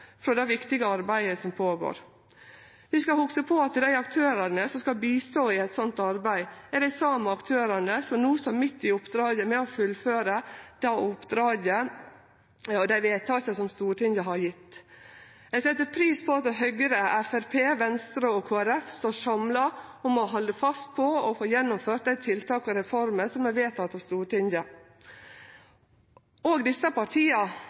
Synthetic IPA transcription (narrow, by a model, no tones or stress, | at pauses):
fɾɔd̪æɪʋɪkt̪ɪɡəɑɾbæɪəsɔmpʰoːɡo̰ːɾ | ʋɪskɑhʊksəpʰɔɑt̪ːd̪æɪɑkt̪ʰøːɾɑnəsɔmskɑlbiːst̪oːɪɛt̪sɔnt̪ɑɾbæɪɛɖæɪsɑːməɑkt̪ʰøːɾɑnəsɔmnuːsɔɾmɪt̪ːɪʊpːd̪ɾɑːɡəmɛɔfʉlːføːɾəd̪̥æɪʊpːd̪ɾɑːɡə | ɔd̪æɪʋeːt̪ʰɑːsəsɔmst̪uːʈɪŋəɦɑɾjɪt̪ː | ɛɪsɛt̪ːəɾpʰɾiːspʰɔɑt̪ɦœɡəɾəæfæɾpʰeːʋɛnst̪ɾəɔkʰoːæɾɛfst̪oːʂɑmlɑɔmɔɦɔld̪əfɑst̪̚pʰɔɔfoːjɛnːʊmføːɾʈ̪̚d̪æɪt̪ʰɪlt̪ʰɑːkɔɾɛfɔɾməsɔmːæʋeːt̪ʰɑt̪ːɑʋst̪uːɾʈɪnjə | oːɡd̪ɪsːəpɑʈʰiːɑ